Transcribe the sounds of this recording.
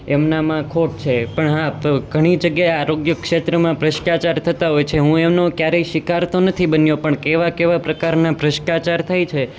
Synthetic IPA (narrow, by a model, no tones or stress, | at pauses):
emnamãkʰoʈ̚t͡ʃʰepəɳɦãɡʱəɽ̃id͡ʒəɡjaeaɾoɡjəkʃet̪ɾəmãpɾəʃkat͡ʃaɾt̪ʰət̪aɦojt͡ʃʰeɦũemnokjaɾeiʃikaɾt̪onət̪ʰibənjopəɳkeʋakeʋapɾəkaɾnapɾəʃkat͡ʃaɾt̪ʰajt͡ʃʰe